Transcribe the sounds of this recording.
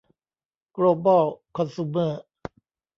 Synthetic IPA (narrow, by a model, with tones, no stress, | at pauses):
kloː˧˩bɔ˥˩wkʰɔ˧nsu˧məː˥˩